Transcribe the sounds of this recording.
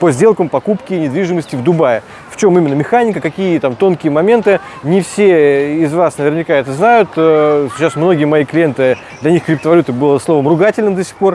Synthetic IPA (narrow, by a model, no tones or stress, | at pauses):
pəzʲdʲe̞lˠkəmpɐkupkʲɪnʲɪd̪vʲiʐɨməsʲtʲɪvd̪ʊbajə | ft͡ɕo̞mimʲɪnːəmʲɪxanʲɪkəkɐkʲijət̪amt̪o̞nkʲɪjəmɐmʲe̞nt̪ɨ | nʲɪfsʲeɪzvasnəvʲɪrnʲɪkaɛt̪əznajʊt̪ːsʲɪ̥t͡ɕːasmno̞ɡʲɪjəmɐiklʲɪjent̪ɨ | d̪lʲɐnʲixkɾʲɪp̚t̪əvɐlʲut̪ɨbɨlˠəslˠo̞vəmrʊɡatʲɪlʲnɨmd̪əsʲɪ̥xpo̞r